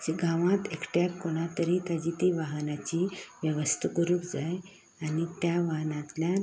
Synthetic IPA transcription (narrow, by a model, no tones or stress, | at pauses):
d͡ʑiɡʱãʋãt̪ekʈjakkoɽ̃at̪əɾit̪ad͡ʑit̪iʋaɦənat͡ɕiʋjəʋəst̪ʰəkuɾuːkd͡zaj | anit̪jaʋaɦnãt̪lja